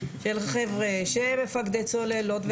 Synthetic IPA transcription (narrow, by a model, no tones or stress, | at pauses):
ʃelχevʁeʃemefaɡd̪et͡solelot̪v